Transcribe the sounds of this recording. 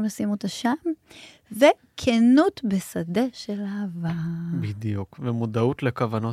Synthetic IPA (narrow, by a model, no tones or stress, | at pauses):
mlasimot̪aʃam | ve | kʰenut̪besad̪e̞ʃelaːvabid̪jukvemudaut̪lekavano